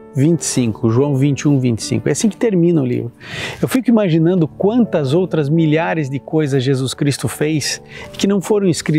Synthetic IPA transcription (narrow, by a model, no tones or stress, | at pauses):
vĩnt͡ʃ̪ɪ̥sĩŋkʊʒuɐ̃w̃vĩnt͡ʃɪũvĩnt͡ʃ̪ɪ̥sḭ̃ŋkʊɛ̰asĩkɪ̥t̪eɾmĩnɐʊlḭvɾʊewfikʊimaʒinɐ̃nd̪ʊkwɐ̃nt̪ɐzowt̪ɾɐzmiʎaɾɪzd̪ɪkojzɐzʒezuskɾist̪ʊfejsɪkɪnɐ̃w̃foɾɐ̃w̃ɪskɾi